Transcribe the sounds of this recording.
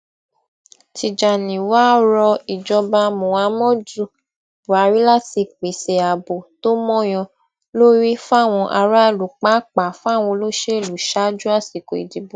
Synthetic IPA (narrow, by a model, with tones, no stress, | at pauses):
ti˨d͡ʒa˨nĩ˨wa˦ɾɔ˧i˨d͡ʒɔ˧ba˧mũ˨a˧˦mɔ̃˦du˦ | bu˨a˨˧ɾi˦la˦˨ti˧k͡pe˨se˨a˨bo˨to˦mɔ̃˦j̃ɔ̃˧ | lo˦ɾi˦fa˦˨w̃ɔ̃˧ʔa˧ɾa˦˨lu˨k͡pa˦k͡pa˨fu˦a˦˨w̃ɔ̃˧lo˦ʃe˦˨lu˨ʃa˦d͡ʒu˦a˦˨si˨ko˨ḭ˨d͡ʒi˨bu˨